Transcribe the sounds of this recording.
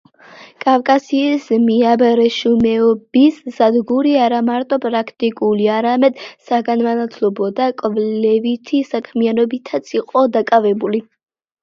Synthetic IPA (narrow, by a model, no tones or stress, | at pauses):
kʼavkʼasiːsmiabɾɛʃumɛɔbisz̥ad̪ɡuɾiaɾamaɾt̪ʼɔpʼɾakʰt̪ʼikʼuliaɾamɛd̪saɡanmanat̪ʰlɔbɔd̪akʼvlɛvit̪ʰisakʰmianɔbit̪ʰat̪sʰiqʼɔd̪akʼavɛbuli